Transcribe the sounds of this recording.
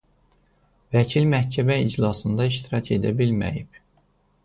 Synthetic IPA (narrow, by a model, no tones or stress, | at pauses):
væcʰilmæhcʰæmæid͡ʒlˠɑsɯnd̪ɑiʃt̪iɾɑcʰe̞̰d̪æ̰bilmæ̰jib̥